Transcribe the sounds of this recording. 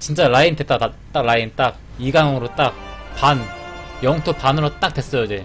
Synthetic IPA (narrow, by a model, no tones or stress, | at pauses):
t͡ɕint͡ɕ͈aɾaindet̚t͈aat͈aɡ̚ɾaint͈ak̚ | iɡaŋɯɾot͈ak̚panjʌŋtʰopanɯɾot͈ak̚t͈we̞s͈ʌjod͡ʑe